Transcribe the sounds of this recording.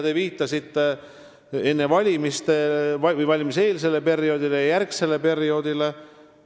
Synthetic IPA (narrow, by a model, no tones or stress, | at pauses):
d̪eviːt̪ːˑɑsit̪ːe | e̞nːe̞vɑlʲimist̪eɑvɯjvɑlʲimise̞ːls̬e̞lːe̞pe̞ɾio̞ːd̪̥ilejjærkse̞le̞pe̞ɾio̞ːd̪̥ile̞